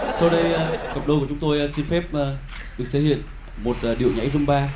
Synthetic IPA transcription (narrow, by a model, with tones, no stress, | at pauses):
sa˧wɗə˧jkə˨˩p̚ɗə˨˧˩kət͡ɕʊ˨˦ŋ͡mt̪o˧jsi˧nfɛ˦˥p̚ː | ɗɨ˨˩ək̚t̪ʰe˧˩hḭ˧˨ən | mo˨˩t̚ːɗḭ˧˨əwɲa̰˧˥jzʊ˧ŋ͡mɓaː˧